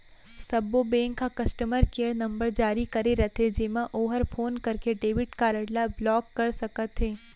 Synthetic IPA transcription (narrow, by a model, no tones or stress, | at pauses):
sɐbːobẽːŋkːakɐsʈəməɾkeːɾnɐ̃mbəɾd͡ʒaːɾikɐɾeɾɐt̪ɦed͡ʒemãʔoːɦəɾpʰoːnkɐɾkeɖeːʋɪʈkaːɾəɽlablɔːkːɐɾsɐkət̪ɦeː